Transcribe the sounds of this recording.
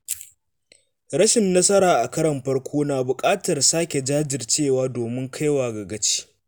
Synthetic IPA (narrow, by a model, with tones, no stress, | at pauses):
ɾɐ˦ʃɪ˨nːɐ˦sɐ˦ɾaː˨ʔa˨kɐ˦ɾɐ˨mɸɐ˦rkʷʰoː˦naː˨bʊ˨kʼaː˦tɐ˨rsaː˦kʲe˨d͡ʒaː˦d͡ʒɪ˨rt͡ʃeː˦˨waː˦doː˨mɪ˦ŋkʰa˦jwaː˨ɡɐ˨ɡɐ˦t͡ʃi̥ː˦